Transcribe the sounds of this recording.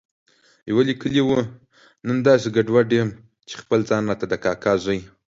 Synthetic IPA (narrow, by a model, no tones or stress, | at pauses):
jawalikəliwu | nənd̪ɑsiɡaɖwaɖjem | t͡ʃe̥xpəld͡zɑnːat̪ad̪əkɑkʰɑzʷəj